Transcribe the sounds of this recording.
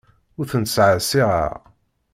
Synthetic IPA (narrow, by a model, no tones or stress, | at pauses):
ʊɾθənt̪sʕəsiʁa̰ʁ